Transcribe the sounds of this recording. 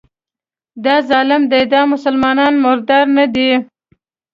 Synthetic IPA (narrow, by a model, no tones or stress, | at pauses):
d̪ɑzɑlɪmd̪ejd̪ɑmʊsalmɑnɑnmʊɾd̪ɑɾnad̪i